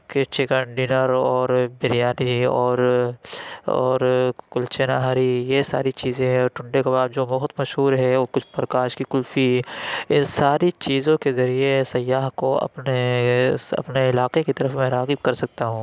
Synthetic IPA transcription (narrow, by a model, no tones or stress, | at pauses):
ket͡ʃɪkəɳɖɪnəɾɔːɾbɪɾijaːniɔːɾ | ɔ̰ːɾkʊlt͡ʃenaːɦaːɾijesa̰ːɾit͡ʃiːzẽɦɛ̃ɔːɾʈʊ̃ɳɖekɐbaːb̚d͡ʒoːbɐɦt̪mɐʃɦuːɾɦɛkʊt͡ʃʰpɾɐkaːʃkikʊlfiɪnsaːɾit͡ʃiːzõkezɐɾiesɐjːaːɦkoɐ̰pne | ɐ̰pneɪlaːqekit̪ɐɾəfmẽɾaːɣɪb̚kɐɾsɐk̚t̪aɦũː